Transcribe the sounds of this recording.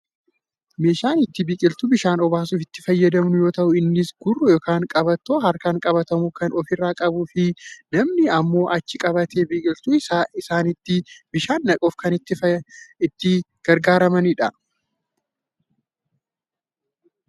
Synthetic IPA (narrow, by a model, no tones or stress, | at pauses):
me̞ːʃaːnɪt̪ːɪbiːkʼɪlt̪ʊbɪʃaːnɔbaːs̬uːfɪt̪ːɪfɐjːɐd̪ɐmnʊjoːt̪ɐʔʊɪnːɪsɡʊrːʊjɔːkaːŋkʼɐbɐt̪ːoːhɐɾkaːŋkʼɐbɐt̪ɐmukɐnɔfɪrːaːkʼɐbuːfɪnɐmnɪɐmːo̞ːʔɐt͡ʃːɪkʼɐbɐt̪ʰeːbiːkʼɪlt̪ʊɪsaːnɪt̪ːɪbɪʃaːnːɐkʼoːfkɐnɪt̪ːɪɪt̪ːɪ | ɡ̥ɐɾɡaːɾɐmɐnɪᶑɐ